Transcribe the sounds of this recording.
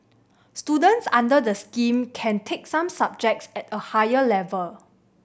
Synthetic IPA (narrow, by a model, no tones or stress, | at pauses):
studə̃ntsãndədəskĩmkʰɛ̃ntʰek̚sãmsab̚d͡ʒɛk̚tsɛtəhajəlɛvəl